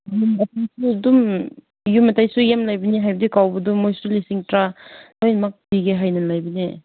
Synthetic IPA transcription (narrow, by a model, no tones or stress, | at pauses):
jumɐtajsudum | jumatajsujamlajbiniɦajbədikawbɐdumːojsulisiŋtɾalojnmak̚biɡeɦajnɐlajbine